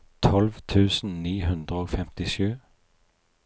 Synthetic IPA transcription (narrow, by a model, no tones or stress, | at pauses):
t̪ʰɔlʋt̪ʰʉːsn̩niːɦʉnd̪ʁəoːfɛmt̪ɪʃʉː